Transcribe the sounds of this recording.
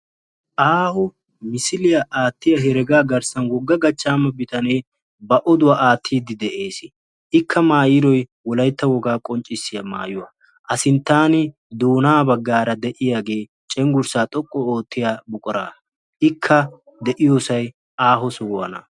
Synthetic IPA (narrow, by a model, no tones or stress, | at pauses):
ʔaːhɔ | mɪsɪlɪjɐʔaːt̪ːɪjɐɦɛɾɛɡaːɡɐɾsɐnwɔɡːɐɡɐt͡ʃːaːmɐbɪt̪ɐne | bɐʔɔd̪ʊwaʔaːt̪ʰːiːd̪ːɪd̪ɛʔe̞ːsɪ | ʔɪkʰːɐmaːjɪɾɔjwɔlɐjt̪ːɐwɔɡaːkʼɔnt͡ʃʼːɪsːɪjɐma̰ːjʊwɐ | ʔɐsɪnt̪ːaːnɪ | d̪oːnaːbɐɡːaːɾɐd̪ɛʔɪjaːɡe̞ː | t͡ʃʼɛŋɡʊɾsaːt̪ʼɔkʼːɔoːt̪ʰːɪjaːbʊkʼɔɾa̰ː | ʔɪkʰːɐ | d̪ɛʔɪjoːsɐj | aːɦɔsʊwɔwɐ̰nɐ̰